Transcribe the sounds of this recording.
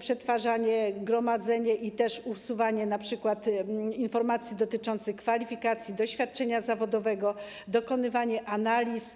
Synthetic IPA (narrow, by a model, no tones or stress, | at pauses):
pʂɛt̪faʐaɲɛɡɾɔmad̪zɛɲɛʔit̪ɛʂusuvaɲɛnapʂɘkwat̪infɔɾmat̪sʲjid̪ɔt̪ɘt͡ʂɔnt̪sɘxkfalʲifʲikat̪sʲjid̪ɔɕfʲjat̪̚t͡ʂɛɲazavɔd̪ɔvɛɡɔ | d̪ɔkɔnɘvaɲɛʔanalʲis